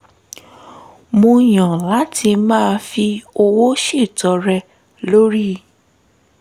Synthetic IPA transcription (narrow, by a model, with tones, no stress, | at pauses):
mõ˧j̃ã˨la˨˦tʰi˧mãː˦˧fi˧o˧wo˦ʃi˦˨tɔ˧ɾɛ˧ | lo˦ɾi˦